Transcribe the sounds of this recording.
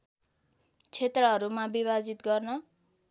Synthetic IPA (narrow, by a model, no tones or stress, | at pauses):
t͡sʰet̪rʌɦʌɾumabiβad͡zit̪ɡʌrnʌ